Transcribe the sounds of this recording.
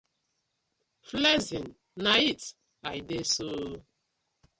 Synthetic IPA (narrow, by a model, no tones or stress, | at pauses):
flɛzĩn | nait | ajdeso